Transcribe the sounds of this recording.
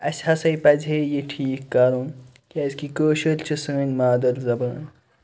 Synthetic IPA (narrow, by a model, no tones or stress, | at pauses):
ɐsʲhɐsɐjpɐd͡zejeʈʰiːkːɐɾũn | kɐzkikoːʃɐlt͡ʃʰɨsəːnʲmaːd̪ɐlzɐbɐn